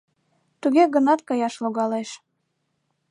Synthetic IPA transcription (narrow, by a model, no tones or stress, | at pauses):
t̪uɣeɣənɑt̪kɑjɑʃloɣɑleʃ